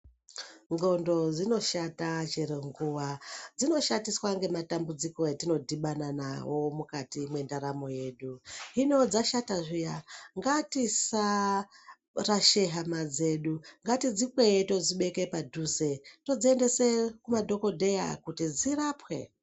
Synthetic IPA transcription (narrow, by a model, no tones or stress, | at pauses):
ŋɡo̞ndo̞d͡zino̞ʃatat͡ʃeɾeŋɡuwad͡zino̞ʃatiswaŋɡe̞matambud͡ziko̞jatino̞dʱiɓanana̰wo̞mukatimwe̞ndaɾamo̞je̞ːɗuinod͡zaʃataʐijaŋɡatisa | raʃe̞ɦamad͡ze̞ɗuŋɡatid͡zipweeto̞d͡ziɓe̞ke̞padʱuze̞to̞d͡zie̞nde̞sekumadʱo̞ko̞dʱe̞ja̰kutid͡zirapwe̞̰